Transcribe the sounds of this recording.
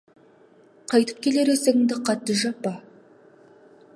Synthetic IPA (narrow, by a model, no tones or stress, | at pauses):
qʰɑjt̪ə̥p̚kʲʰe̞le̞ɾeseɪŋd̪ɪqʰɑt̪ːəʒɑpɑ